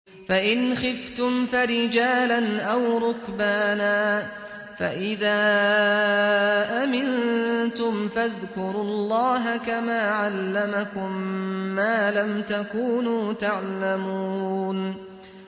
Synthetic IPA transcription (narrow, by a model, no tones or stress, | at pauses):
faʔɪnxɪft̪ʊmfaɾɪd͡ʒaːlanʔawɾˤʊkbaːnaː | faʔɪðaː | ʔamɪnt̪ʊmfaðkʊɾʊlˤːɑːɦakamaːʕalːamakʊmːaːlamt̪akuːnuːt̪aʕlamuːn